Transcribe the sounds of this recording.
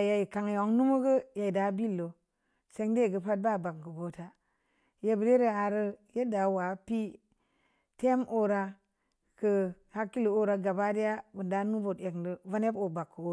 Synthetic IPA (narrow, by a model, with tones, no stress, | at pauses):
a˨ja˨ji˨ka˨ŋ˨o˨˦ŋnu˦mo˦ɡə˦ja˨i˨da˨˦bi˦lːo˨ | se˦ŋde˦˨ɡə˦pa˦d̚ba˦˨ba˨kkə˨ɡo˨ta˦ | je˨bə˨ɾe˦ɾə˨a˨ɾə˦je˦da˨wa˨˦pi˦ | te˦mʔo˦ɾa˦ | kə˨ | ha˦kːi˦lo˨o˦ɾa˨˦ɡa˨ba˦di˦ja˦bə˨nda˦nu˦vo˨te˨kndə˨va˦ne˦bo˨ba˨kːo˦